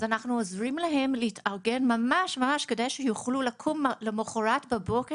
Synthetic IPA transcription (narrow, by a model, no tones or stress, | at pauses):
zanaχnuozʁimlaɦe̞mleitʰaʁɡe̞nmamaʃmamaʃke̞dajʃejuχlulakʰumlemoχoʁatbabo̞ke